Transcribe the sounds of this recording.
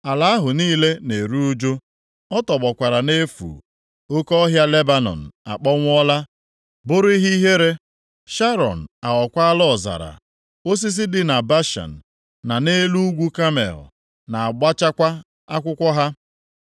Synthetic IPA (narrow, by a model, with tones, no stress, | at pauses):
a˨la˨a˦ɦʊ˨niː˦le˦ne˨ɾu˦o˦d͡ʒo˦ | ɔ˦tɔ˨ɡ͡bɔ˨kʷa˨ɾa˨ne˦fṵː˨ | o˦kɔ˦ɦja˦le˦ba˦nɔ̰˨n̩˨a̰˨k͡pɔ˦ŋʷ˦ɔ˦la˦ | bʊ˦ɾʊ˦i˦ɦi˦ɦe˦ɾe˦ | ʃa˦ɾɔ̰˨n̩˨a˨ɔ˨kʷa˦a˦lɔ˦˨za̰˨ɾa̰˨ | o˦s̬i˦s̬ɪ˦dɪ˦na˨ba˦ʃa̰˨n̩˨ | na˨ne˦lu˦ɡʷu˦ka˦mḛ˨l | na˨a˨ɡ͡ba˦t͡ʃa˦kʷa˦ | a˦kʷʊ˦kʷɔ˦ɦa˦